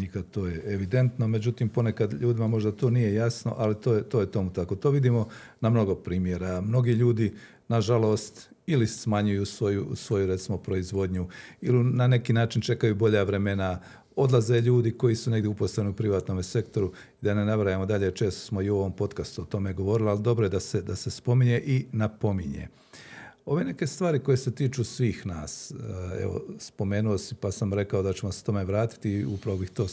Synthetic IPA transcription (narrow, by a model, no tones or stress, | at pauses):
nikat̪oːjeeʋid̪e̞nt̪no̞me̞d͡ʑut̪impo̞ne̞kad̪ʎuːd̪imamo̞ʒd̪at̪o̞ːnije̞jasno̞̰ʔalit̪oːt̪ojet̪o̞mut̪ako̞t̪o̞ːʋid̪imo̞namno̞ɡo̞pɾiːmje̞ɾamno̞ɡiːʎuːd̪i | naʒalˠo̞ːst̪ilismaɲujusʋo̞jusʋo̞juɾe̞t̪simo̞pɾo̞izʋo̞d̪ɲuilinane̞kiːnaːt͡ʃint͡ʃe̞kajubo̞ʎaʋɾe̞me̞na | o̞d̪lˠazeʎuːd̪iko̞jisuneɡd̪ʲjeuposeniupɾiʋaːt̪no̞mese̞kt̪o̞ɾu | id̪anenaʋɾajemo̞d̪aʎe̞t͡ʃeːst̪o̥smo̞iuo̞ʋo̞mpo̞t̪kast̪uot̪o̞meɡo̞ʋo̞ɾilialid̪o̞bɾojed̪ase̞d̪ase̞spo̞miɲe̞ʔinapo̞miɲḛ | o̞ʋe̞ːne̞ke̞st̪ʋaːɾiko̞je̞set̪iːt͡ʃuːsʋiːxna̰ːsḛʋo̰spo̞me̞ːnuosipasamɾe̞kao̞d̪at͡ɕe̞moset̪o̞me̞ʋɾaːt̪i̥t̪iupɾaʋobixt̪o̞ː